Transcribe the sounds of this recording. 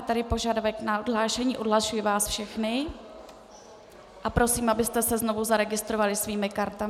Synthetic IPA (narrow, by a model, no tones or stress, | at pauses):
t̪aɾɪpo̞ʒadavɛknaʔodɦlaːʃɛɲiːʔodɦlaʃujivaːsfʃɛxnɪ | ʔapɾo̞siːmʔabɪst̪ɛsɛzno̞vuzaɾɛɡɪst̪ɾo̞valɪsviːmɪkaɾt̪a